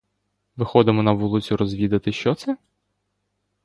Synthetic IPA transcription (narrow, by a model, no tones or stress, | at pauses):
ʋɪxɔd̪ɪmɔnɐʋulˠɪt͡sʲʊɾɔzʲʋʲid̪ɐt̪ɪʃt͡ʃɔt̪sɛ